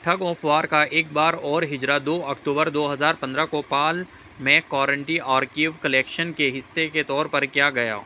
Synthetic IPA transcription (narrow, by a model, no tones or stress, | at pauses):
ʈʰɐɡɔːfʋaːɾkaʔeːk̚baːɾɔːɾɦɪd͡ʒɾad̪oːɐkʈ̪uːbəɾd̪oːɦɐzaːɾpɐ̃nd̪ɾakopaːl | mẽkɔːɾə̃ɳʈiaːɾkiːʋkɐleːkʃənkeɦɪsːeket̪ɔːɾpɐɾkjaːɡɐja̰ː